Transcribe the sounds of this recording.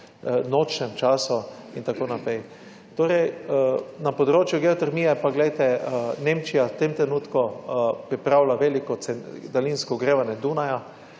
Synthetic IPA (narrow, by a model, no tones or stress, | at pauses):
not͡ʃnɛmt͡ʃaːsu | int̪akoːnapɾɛj | t̪oːɾɛj | napɔd̪ɾoːt͡ʃjʊɡɛɔt̪ɛɾmijɛpaɡlɛjt̪ɛnẽmt͡ʃijat̪emt̪ɾɛnuːt̪kupɾipɾawlaʋelikɔsɛnd̪alinskɔɡɾeːʋanjɛd̪unaja